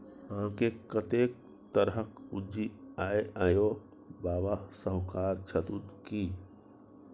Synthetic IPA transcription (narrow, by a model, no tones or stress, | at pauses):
ãkekət̪ek̚ | t̪əɾɦəkud͡ʒiaːjajo | baːbasəɦkaɾt͡ʃʰət̪ut̪ki